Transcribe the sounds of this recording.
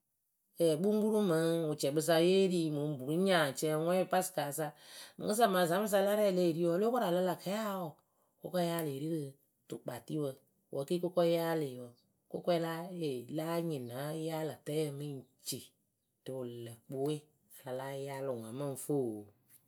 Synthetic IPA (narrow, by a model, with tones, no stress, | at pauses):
ɛ˨ɓu˦ŋ˦ɡ͡bu˦ɾu˦mə˨˦ŋu˨t͡ʃɛ˨ɓɨ˧s̬a˧˦je˦ɾi˦mu˨˦bu˨ɾu˦ɲã˨t͡ʃɛ˧˦ŋʷɛ˦pa˦si̥˨ka˨sa˧mɨ̰̃˨ɨ˦s̬a˦˨ma˨za˨˦ɨ˦s̬a˧˦la˦ɾɛ˦˨le˦˨ɾi˦ɔ˧˦lo˦ka˦ɾa˨lə˦la˨ka˨˦a˦ɔ˨ | ko˦kɔ˦ja˦le˨ɾi˦kɨ˧ | tu˨k͡pa˨ti˦wə˧ | wʔə˨˦ki˦ko˦kɔ˦ja˦le˨wə˨ | ko˦kʷɛ˦la˦e˨la˦ɲĩ˨na˨˦ja˦lə˨tɛ˦ɛ˦mɨ˦n˨t͡ʃi˨ | tɨ˨lə˨k͡pu˦we˦ | a˨la˨la˦ja˦lo˨ŋã˨mə˦ŋ˨fo˦˨